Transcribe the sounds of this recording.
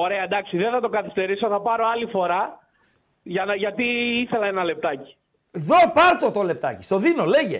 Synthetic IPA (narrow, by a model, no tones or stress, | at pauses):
o̞ɾe̞ɐd̪ɐksiðeθɐt̪o̞kɐθist̪e̞ɾiso̞θɐpɐɾo̞ɐlifo̞ɾɐ | ʝɐnɐʝɐt̪iiθe̞lɐenɐle̞p̚t̪ɐci̥ | ðo̞pɐɾt̪ot̪ole̞p̚t̪ɐ̰ci̥st̪o̞ðino̞le̞ʝḛ